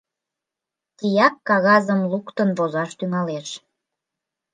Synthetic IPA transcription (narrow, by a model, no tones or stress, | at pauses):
t̪ijɑkːɑɣɑzəmlukt̪ənβozɑʃt̪yŋɑleʃ